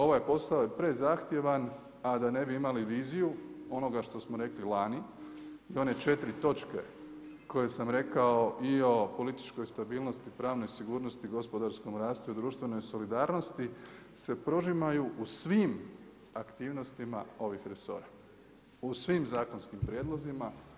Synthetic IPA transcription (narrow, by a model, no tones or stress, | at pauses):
o̞ʋajpo̞saoje̞pɾe̞zaxt̪je̞ʋan | ad̪ane̞biimaliʋiːzijuo̞no̞ɡaʃt̪o̞smoɾe̞klilˠani | io̞ne̞t͡ʃe̞t̪ɾit̪o̞t͡ʃke̞̰ | ko̞je̞samɾe̞kao̞ʔio̞po̞lit̪i̥t͡ʃko̞jst̪abiːlˠno̞st̪ipɾaːʋno̞jsiɡuːɾno̞st̪iɡo̞spo̞d̪aɾsko̞mɾaːst̪uid̪ɾuːʃt̪ʋe̞no̞jso̞lid̪aːɾno̞st̪i | se̞pɾo̞ʒimajuʔusʋim | akt̪iːʋno̞st̪ima̰o̞ʋixɾe̞so̞̰ːɾa | usʋimzaːko̞nskimpɾjed̪lˠozima